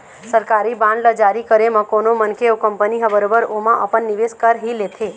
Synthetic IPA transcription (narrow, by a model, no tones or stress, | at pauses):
səɾkaɾibãnɖləd͡ʒaɾikəɾemãkonomənkʰeokəmpəniɦəbəɾobəɾomãʔəpənːiʋeskəɾɦilet̪ʰe